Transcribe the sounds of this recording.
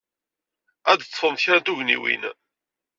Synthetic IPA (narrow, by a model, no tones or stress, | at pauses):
æd̪t͡sːˤfəmtçaɾd̪uʝnḭwḭn